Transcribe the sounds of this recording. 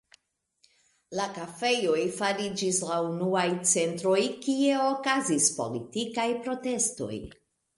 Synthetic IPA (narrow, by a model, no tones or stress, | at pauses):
lakafe̞jo̞jfaɾid͡ʒislaunuajt͡se̞ntɾo̞jkie̞okazispo̞̰litikajpɾo̞te̞sto̞̰j